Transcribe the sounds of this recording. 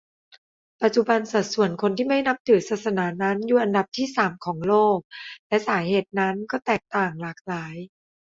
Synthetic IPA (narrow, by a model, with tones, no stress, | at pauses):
pa˨˩t̪̚t͡ɕu˨˧ba˧nsa˨˩t̪̚su˨˩ənkʰo˧nt̪ʰiː˥˩ma˥˩jna˦˥p̚t̪ʰɯː˩˦saː˨˩t̪̚sa˧naː˩˦na˦˥njuː˨˩ʔa˧nda˨˩p̚t̪ʰiː˥˩saː˨˩˦mkʰɔː˩˦ŋloː˥˩k̚lɛ˦˧˥saː˩˦heː˨˩t̪̚na˦˥nkɔː˥˩t̪ɛː˨˩k̚t̪aː˨˩ŋlaː˨˩k̚laː˩˦j